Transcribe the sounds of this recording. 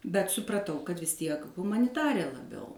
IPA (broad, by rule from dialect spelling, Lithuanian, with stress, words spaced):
bʲɛt sʊprɐˈtɐʊ kɐt ʋʲɪs ˈtʲiɛk ɣʊmɐnʲɪˈtɑːrʲeː lˠɐˈbʲɛʊ